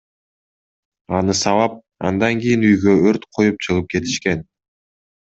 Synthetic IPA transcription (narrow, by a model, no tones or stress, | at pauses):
ɑnɯsɑvɑp̚ | ɑ̰nd̪ɑŋɡʲijinyjɡøøɾt̪qʰo̞jup̚t͡ʃʰɯʁɯp̚ke̞t̪i̥ʃke̞n